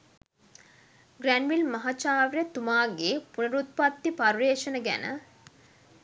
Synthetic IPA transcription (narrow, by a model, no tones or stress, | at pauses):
ɡrænʋilmɐɦat͡ʃaːʋɾjət̪umaːɡeːpunəɾut̪̚pat̪ːipaɾʋeːʃənəɡæ̰nə̰